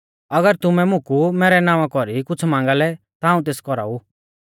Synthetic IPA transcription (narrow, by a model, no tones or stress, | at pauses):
ɐɡəɾt̪ʊmɛmʊ̃kumɛːɾɛnãːʋãkɔɾikʊt͡sʰmãːŋ̆ɡalɛ | t̪aaːũt̪̬eːskɔɾa̰u